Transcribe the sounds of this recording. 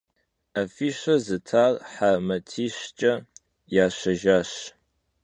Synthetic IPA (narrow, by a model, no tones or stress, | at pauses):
afiːʃɐzɨtʰaːrħamɐtʰiːɕt͡ʃʼɐ | jaːɕɐʒaːɕ